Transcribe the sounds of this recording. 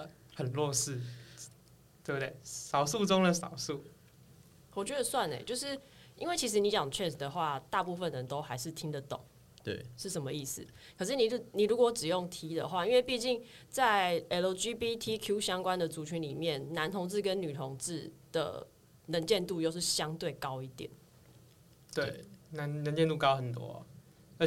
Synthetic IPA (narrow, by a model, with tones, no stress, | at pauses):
hə˨˩nlwɔ˥˧sɻ̩˥˩ | t̪we˥˩bt̪we˥˩ɪsɑ˨˩ʊsu˥˩ʈ͡ʂo˥ŋlə˨sɑ˨˩ʊsu˥˩ | wɔ˨˩t͡ɕɥɛ˧˥d̪ə˧swa˥˨nḛ˩t͡ɕjo˥˧ʊʂɻ̩˥˩ | i˥nwe˥˩ɪt͡ɕʰi˧˥ʂ̬ɻ̩˧˥ni˧˥t͡ɕjɑ˨˩ŋt͡ɕʰɥɛ˥˩ns̩˨˩d̪ə˨xwa˥˩t̪a˥˧pu˥˧fə˨nə˨nt̪o˥ʊxa˧˥ɪʂɻ̩˥˩t̪ʰi˥ŋd̪ə˨t̪o̰˨˩˦ŋ | t̪wḛ˥˩ɪʂɻ̩˥˩ʂə˧˥mə˧i˥˩s̩˨˩kʰɤ˨˩ʂ̬ɻ̩˥˩ni˨˥ni˨˩ɻu˧˥kwɔ˧˥ʈ͡ʂɻ̩˨˩jo˥˩ŋt̪ʰi˧˥d̪ə̰˨xwa˥˧i˥nwe˥˧pi˥˧t͡ɕi˥˧ŋt͡sa˥˩ɪɛ˧˥lo˧˥d͡ʒi˦bi˦˥t̪ʰi˥kʰju˥ɕjɑ˥ŋkwa˥˦nd̪ə˨t͡su˧˥t͡ɕʰy˧˥nli˨˩mjɛ˥˩nːa˧˥nt̪ʰo˧˥ŋt͡sɹ̩˥˩kə˦˥nny˨˩t̪ʰo˧˥ŋt͡sɹ̩˥˩d̪̥ə̰˩ | nə˧˥nt͡ɕjɛ˥˧nt̪u˥˧jo˥˧ʊʂɻ̩˥˩ɕjɑ˥ŋt̪we˥˩ɪkɑ˥ʊi˥˧˩t̪jɛ̰˨˩˦n | t̪we˥˩na˧˦nnə˧˦nt͡ɕjɛ˥˧nt̪u˥˩kɑ˥ʊxə˨˩nt̪wɔ̰˥˦˨ | ə˧˥